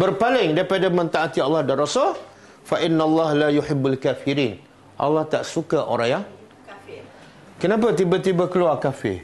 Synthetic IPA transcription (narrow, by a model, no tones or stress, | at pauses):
bərpalɪŋdaipadamãnt̪aʔat̪iɑlːɑhdaɾosɔ | faʔɪnːalːahlajuħɪbːalkafiɾiːn | ʔɑ̰lːaht̪aʔsukaʔo̰ɾaja | kənãp̬at̪̬ibat̪ibakəluarkafɪ̰r